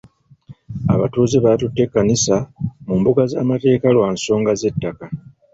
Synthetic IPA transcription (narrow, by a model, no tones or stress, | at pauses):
a̰βatuːzeβatutːe̞kːanisamumbuɡazaːmate̞ːkalwaːnso̞ːŋɡaze̞tːaka